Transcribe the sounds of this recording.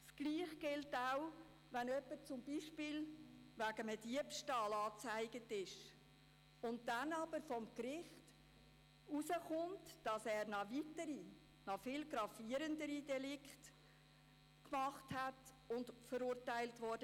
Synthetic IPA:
skliːχɡ̥ɪltaʊ | ʋænœpːəɾt͡sʊmbiːʃpɪːlʋæɡəmədiəpʃtɑːlɑːt͡sæɪɡətɪʃ | ʊnt̚dænɑb̥əɾfɔmkɾɪχt | usəχʊntd̥ɑsɛːɾnɑvitəɾi | nɑfɪlɡɾɑfiəɾəndəɾidɛlɪkχt | kmɑχthæt | ʊntfəɾuːɾtæɪltvɔɾd̥ə

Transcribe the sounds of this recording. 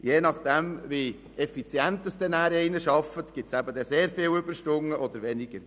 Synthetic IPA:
jeːnɑχd̪̥ɛmʋi | ɛfit͡sjænt̪əsd̪ɛnæːɾɛɪnəʃɑfətɡ̥ɪtsæbəd̪ɛseːɾfɪːlʏbəɾʃtʊŋːəʔɔd̪əɾʋɛnɪɡ̥əɾ

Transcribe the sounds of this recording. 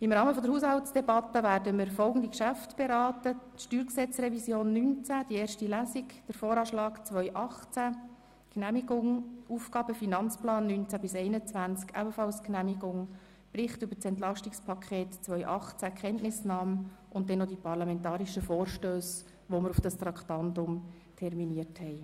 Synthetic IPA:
ɪmɾɑːməfɔdəɾhuːshɑltt͡sd̥ɛbɑtːəvæːɾdəməɾfɔlˠɡən̩d̪ikʃæftb̥ɛɾɑːtə | ʃtyːɾksɛt͡srɛvisjoːnːynt͡sæd̥ieːɾrʃtilæsikd̥əɾfoːɾɑːʃlɑːkt͡sʋœʏʔɑχt͡sæ | knæmiɡʊŋuːfɡ̥ɑːbəfinɑnt͡splɑːnːynt͡sæbɪsɛɪnət͡sʋænt͡skæ̰bəfɑlsknæmiɡʊŋ | b̥ɾɪχtʏbəɾt͡sɛnt̬lɑʃtɪkspʰɑkʰeːtt͡sʋœʏʔɑχt͡sækχɛntnɪsnɑːməʊnt̚dɛnodipʰɑʁlɑmɛntɑːɾiʃəfoːrʃtøːs | ʋoməɾufd̥ɑst̪ɾɑkχtɑndʊm | tʰɛrminiəthɛɪ

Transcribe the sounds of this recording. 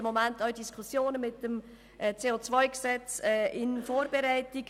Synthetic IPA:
əmomæntɑʊdiskʰusjoːnəmɪtːəm | ʔt͡seːot͡svaɪksɛt͡sɛːɪnfoːɾbeɾɛɪtiɡ

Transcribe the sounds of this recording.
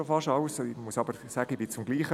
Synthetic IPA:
ofɑʃɑlsmusɑbəɾsæːɡəbɪt͡sʊmɡliːχə

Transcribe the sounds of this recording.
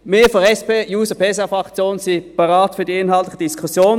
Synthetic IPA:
meːfɔɛspeːjuːsəpʰesafʁɑkt͡sjoːnsipɑʁaːtfyːɐdiɪnhɑlt̪lɪçəd̥iskʰusjoːn

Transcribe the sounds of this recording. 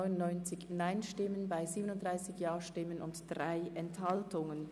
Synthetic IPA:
ʏnʊnnɔʏnt͡sɪçnaɪnʃtɪmənbaɪziːbənʊntd̥ʁaɪsɪçjaːɐʃtɪmənʔʊntd̥ʁaɪʔɛnthaltʊŋən

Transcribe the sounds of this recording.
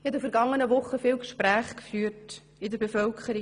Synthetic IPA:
ɛtd̪əfəɾɡɑŋːənəʋʊχːəfɪːwkʃpɾæːχkfyːɾt | ɪd̪əɾbefœlkʰəɾi

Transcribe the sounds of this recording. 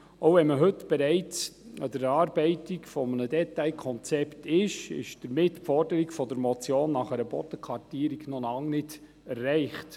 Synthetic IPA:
ʔoʊvɛnməɦɵtb̥ɛɾɛɪt͡səd̥əɾɑːɾb̥ɛɪtiɡfɔmənədɛtaɪkʰɔnt͡sɛptɪʃɪ̰ʃd̥əɾmɪtpfɔrdəɾiɡfɔdəɾmɔt͡sjoːnːɑχɛɾəb̥ɔtəkʰʋɑrtiːɾiɡ̥nolɑŋnɪd | ɛrːɛɪχt

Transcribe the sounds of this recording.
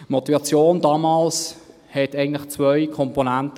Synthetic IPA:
mɔt̪ivɑt͡sjoːndɑːmɑːls | hɛtæɪɡŋ̩tlɪχt͡svœʏkʰɔmponæntə

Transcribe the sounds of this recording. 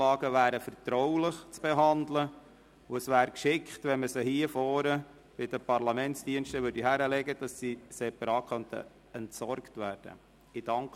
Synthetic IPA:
ɑːɡəʋæːɾəfəɾt̪ɾɔwlɪχt͡sb̥eɦɑnd̪lə | ʊəsʋæːɾkʃɪkχtʋɛnməsəhiəfɔːɾə | b̥ɪd̥əpɑɾlɑmɛntsd̥iənʃtəʋʏdiɦæɾəlɛɡəd̥ɑsːisɛpːəɾɑːkʰχœnt̪ʰə̰ | ɛntsɔɾktʋæːɾd̥ə̰ | ɪd̥ɑŋk

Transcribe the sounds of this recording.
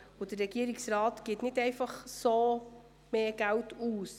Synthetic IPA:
ʊd̥̪əɾɛɡ̥iːəɾiksɾɑːtɡ̥ɪtnɪtɛɪfɑχsoː | meːɡ̥æwtʰuːs

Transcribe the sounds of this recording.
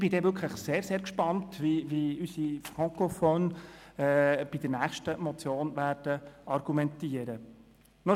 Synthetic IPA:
ɪb̥ɪd̪ɛvʏkʰləχseːɾseːɾkʃpɑntʋiʋiysifʁɑŋkɔfɔːnɛb̥id̥̪əɾnæːχʃtəmɔt͡sjoːnvæːɾd̥əɑɾɡumɛntiːəɾə | nɔ

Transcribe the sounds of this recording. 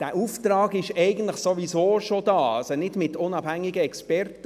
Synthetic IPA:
d̥æːʔuftɾɑːɡɪʃɛɪɡən̩tləχsoʋisoːʃodɑːɑsonɪdmɪtʊnɑbhæŋːɪɡəɛkspɛrtə

